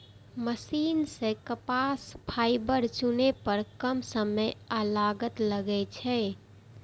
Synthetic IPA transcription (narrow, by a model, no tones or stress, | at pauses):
məsiːnsekəpaspʰaːɪbəɾt͡ʃunepəɾkəmsəməjəlaɡət̪ləɡɛt͡ʃʰɛ